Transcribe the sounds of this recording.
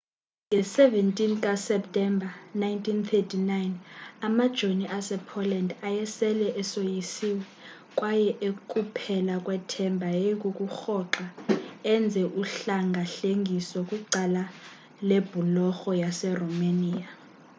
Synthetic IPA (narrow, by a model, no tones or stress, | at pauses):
ŋʱɛsɛvɛntʼink̬ʼasɛp̚tʼɛmbʱanajntʰʼint̪ʰetʰinajnamad̥ʒ̥ʱoniʔasɛpʰɔlɛndajɛsɛlɛʔɛsojisiwɛ | kʼwajɛʔekʼupʰɛlakʼwɛtʰɛmbʱajeik̬ʼuk̬ʼuxɔǁaɛnd͡zʱɛʔuɬaŋɡʱaɬeŋɡʱisɔkʼuǃala | leb̥ʱulɔxɔjasɛrɔmaniːa